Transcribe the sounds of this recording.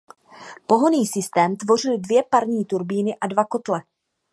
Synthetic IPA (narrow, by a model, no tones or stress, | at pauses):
po̞ɦo̞niːsɪst̪ɛːmt̪vo̞r̝ɪldvjɛpaɾɲiːt̪uɾbiːnɪʔadvako̞t̪lɛ